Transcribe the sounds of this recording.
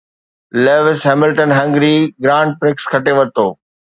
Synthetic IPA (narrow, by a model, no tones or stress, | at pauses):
leːʋɪsɦɛmɪlʈənɦɐ̃ŋɡɾiɡɾãːɳɖ̚pɾɪkskʰɐʈeʋɐt̪oː